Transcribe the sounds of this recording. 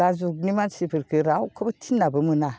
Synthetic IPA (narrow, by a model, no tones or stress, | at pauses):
azuk̚nimansipʰɯɾkʰɯɾawkʰɯbɐtʰinːabɯmɯna